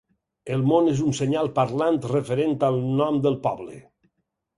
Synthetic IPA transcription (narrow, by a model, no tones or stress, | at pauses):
əlˠmonezunseɲalˠpaɾlant̪refeɾent̪alˠnɔmd̪əlˠpɔβlḛ